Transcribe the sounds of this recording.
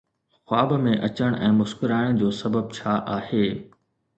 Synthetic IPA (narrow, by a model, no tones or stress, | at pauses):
xwaːbmẽʔɐt͡ɕəɽ̃ɛ̃ːmʊskɪɾaːɪɽ̃d͡ʑoːsɐbəb̚t͡ɕʰaːʔaːheː